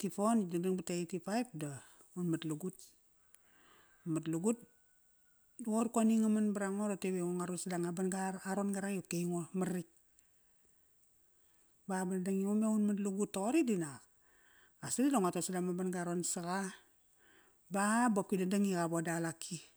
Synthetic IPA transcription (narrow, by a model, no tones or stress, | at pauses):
tipondadaŋbateitipaip̚da | unmatluɡut̚ | matluɡut̚ | duɡoɾkoniŋamanbaɾaŋoɾateβeŋoŋaɾosadaŋabanɡaɾaɾonɡaɾajokejŋomaɾik̚ | babadadaŋiŋomeunmatluɡutːoɣoɾidinak | asadidoŋatosadamabanɡaɾonsaɣa | babop̚kidadaŋikabodalakʰi